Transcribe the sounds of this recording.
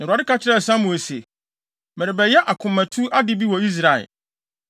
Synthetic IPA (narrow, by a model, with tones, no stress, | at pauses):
nã˨a˨dɪ˦kʰa˦t͡ɕʰɪ˦ɾɛ˦˨sã˦mũ˨e˨se˨ | mɛ˨ɾɪ˨bɛ˨jɛ˦ʔa˨kʰʊ̃˨mːæ̃˨tʰu˦ʔa˦dɪ˦bi˦wɔ˨i˦s̬ɾa˨ɛ̰˨